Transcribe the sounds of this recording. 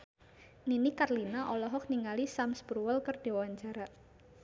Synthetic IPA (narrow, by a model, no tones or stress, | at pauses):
ninikarlinaʔɔlɔɦɔk̚niŋalisamsbɾuwəlkərd̥̪iawaɲt͡ʃaɾa